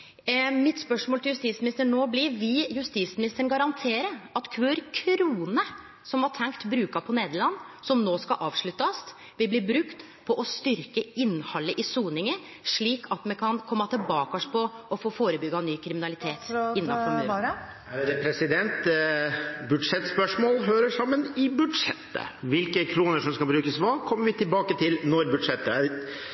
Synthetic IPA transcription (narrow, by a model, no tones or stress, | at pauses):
mɪt̪spœʂmoːlɪljʉst̪iːt̪smɪnɪst̪əɳnoːblɪʋɪjʉst̪iːsmɪnɪst̪əəɳ̩ɡɑɾɑnt̪ʰeːɾəɑt̪kʰʋøːɾkʰɾuːnə | sɔmʋɑʈʰɛŋkt̪bɾʉːkɑpʰɔneːd̪əɭɑnːsɔmnoːskɑʔɑːʋʂɭʉt̪ːɑs | ʋɪlblɪbɾʉkt̪ | pʰɔʔɔst̪ʏɾkəɪnːhɑlːəʔɪsuːnɪŋə | ʂɭiːkʰɑt̪mɛkʰɑnkʰɔmːɑt̪ʰɪlbɑːkɑʂpʰɔɔfoːfoːɾəbʏɡɑnyːkʰɾɪmɪnɑlɪt̪ʰeːt̪ɪnːɑfɔɾmʉː | d̪ɛpʰɾɛsɪd̪ɛnt̪ | bʉɖ̪ʂɛt̪spœʂmoːlɦøːɾəʂɑmːənɪbʉd̪ʂɛt̪ːə̰ʋɪlkəkʰɾuːnəʂɔmskɑbɾʉːkəsʋɑkʰɔmːəɾʋɪt̪ʰɪlbɑːkət̪ʰɪlnɔɾbʉd̪ʂɛt̪ːə